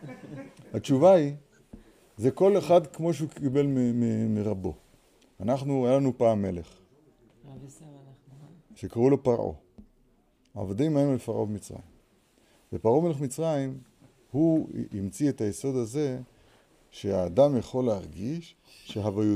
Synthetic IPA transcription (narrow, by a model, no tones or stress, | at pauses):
hat͡ʃuvai | ze̞ko̞leχad̪kmo̞ʃ̬eukibe̞lmimimiʁabo̞ | anaχnuajalanupaːmːe̞le̞χ | ʃe̞kaʁulo̞paʁʔo̰ | aa̰vodimaemlefaʁʔo̞bemit͡sʁa̰jim | vepaʁo̞me̞le̞χmit͡sʁajim | huimt͡siet̪ajeso̞d̪aze̞ | ʃeaːd̪amjeχo̞leaʁɡiʃ | ʃeɦavaju